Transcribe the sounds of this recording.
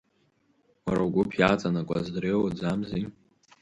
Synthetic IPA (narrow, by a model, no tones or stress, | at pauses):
waɾawɡʷʊpʰjat͡sʼanakʷʼa̰zdrewad͡zamzi